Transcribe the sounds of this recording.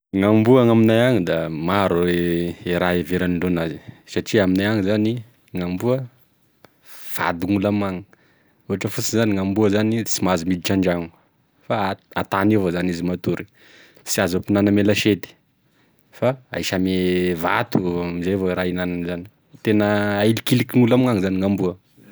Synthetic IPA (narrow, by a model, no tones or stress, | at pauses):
ŋambuaŋaminajaŋid̪amaɾueeɾaeveɾaniɳɖ͡ʐonazisaʈ͡ʂiaminajaŋizani | ŋambuə | fa̰d̪iŋulamaŋə | uɦaʈ͡ʂəfusizaniŋambuəzanit͡simazimid̪iʈ͡ʂaɳɖ͡ʐaŋu | faa̰t̪anevozanizimat̪uɾi | siazopinanəmelaʃed̪i̥ | faa̰iʃameva̰t̪uamizevoeɾainananzani̥ | t̪enəːilikilikiŋulamŋaŋzaniŋambuə